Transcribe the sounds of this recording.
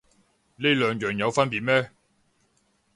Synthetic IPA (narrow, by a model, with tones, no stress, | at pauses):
ne˥lœː˨ŋjœː˨ŋjɐ˨˧wfɐ˥npiː˨t̚mɛː˥